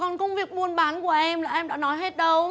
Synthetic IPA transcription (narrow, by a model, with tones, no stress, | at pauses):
kɔ˨˩nkə˧wŋ͡mvi˨˩ək̚ɓu˧˩ənɓaː˨˦nku˧˩əʔɛ˧mlaː˨˩ʔɛ˧mɗa̰ː˧˥nɔ˨˦je˦˥t̚ɗə˧w